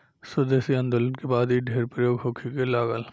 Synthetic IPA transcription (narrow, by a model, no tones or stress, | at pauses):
sʊd̪esiɐ̃nd̪ʊlənkebaːd̪iɖʱeːɾpɾəjoːɡɦoːkʰikelaːɡəl